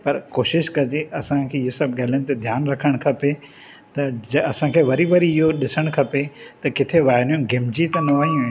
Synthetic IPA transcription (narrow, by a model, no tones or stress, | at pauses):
pɐɾkoːʃɪʃkɐd͡ʑeʔɐsãkʰeːɪɦosɐbɠaːɦɪləñɪ̃t̪ed̪ʱjaːnɾɐkʰəɽ̃kʰɐpe | t̪ɐɐɐsãkʰeːʋɐɾiʋɐɾiɪɦoɗɪsəɽ̃kʰɐpet̪ɐkɪt̪ʰeʋaːɦnjũɡɪmd͡ʑit̪ɐnɐʋaːijũ